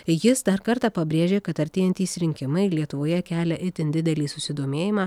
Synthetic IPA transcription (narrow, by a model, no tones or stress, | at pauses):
jɪsd̪ɐɾkɐɾt̪ɑːpɐbʲɾʲeːʒʲeːkɐt̪ɐɾʲt̪ʲeːjɛnʲt̪ʲiːsɾʲɪŋʲkʲɪmɐɪlʲiɛt̪ʊʋoːjɛkʲæːlʲɛʔɪt̪ʲɪnd̪ʲɪd̪ʲɛlʲiːsʊsʲɪd̪oːmʲeːjɪmɑː